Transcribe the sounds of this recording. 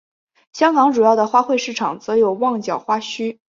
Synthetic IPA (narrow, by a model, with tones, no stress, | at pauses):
ɕjɑ˥ŋkɑ˧˥ŋʈ͡ʂu˨˩jɑ˥˩ʊd̪ə˩xwa˥xwe˥˧ɪʂɻ̩˥˩ʈ͡ʂʰɑ˨˩ŋt͡sɤ˧˥jo˨˩ʊwɑ˥˩ŋt͡ɕjɑ˨˩ʊxwa˥ɕy˥